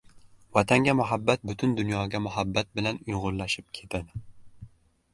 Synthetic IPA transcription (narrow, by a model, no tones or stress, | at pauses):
vɒt̪ʰaŋɡʲamʊɦabːat̪̚bʊt̪ʰʊnd̪ʊnjɒɡʲamʊɦabːat̪̚bɪlanʊjʁʊɾlaʃɪp̚kʲʰe̞t̪ʰad̪ɪ